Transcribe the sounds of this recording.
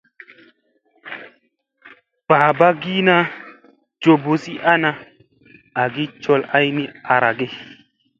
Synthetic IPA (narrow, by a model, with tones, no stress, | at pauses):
paː˨ba˦ɡi˦na˦ | d͡ʒo˨bo˨si˦ʔa˦na˦ | a˨ɡi˦t͡ʃo˦la˦jni˦a˨ɾa˨ɡe˦